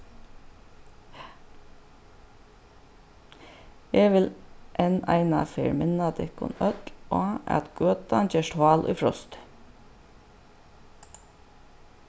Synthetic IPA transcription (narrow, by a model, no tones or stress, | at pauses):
eːʋɪlʔenæ̰ɪnɑ̰feːɹmɪnɑd̪ɪkʊ̰nœt̪loːɑ̰t̪ɡ̥øːt̪ɑnd͡ʒeːʂʈʰwɑːlʔʊ̰ɪfɾɔst̪